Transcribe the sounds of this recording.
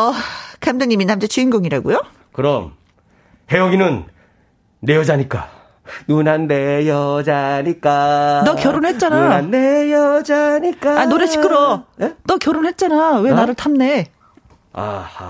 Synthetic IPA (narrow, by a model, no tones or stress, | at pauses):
ʌkʰamdɯŋɲiminamd͡ʑet͡ɕʰiinɡoŋiɾaɡujo | kɯɾʌm | he̞ʌɡinɯnː | e̞jʌd͡ʑaɲik͈a | nunanːejʌd͡ʑaɲik͈anʌkjʌɾonɦe̞t̚t͡ɕ͈ananːejʌd͡ʑaɲik͈aanoɾeɕʰi̥k͈ʰɯɾʌenʌkjʌɾonɦe̞t̚t͡ɕ͈anawe̞naɾɯɭtʰamne̞ | a̰